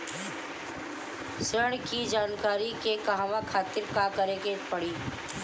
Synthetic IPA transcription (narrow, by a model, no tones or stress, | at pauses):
sɾəɳ̃kid͡ʒaːnkaːɾikekaɦʋãkʰaːt̪ɪɾkakəɾekepɐɽiː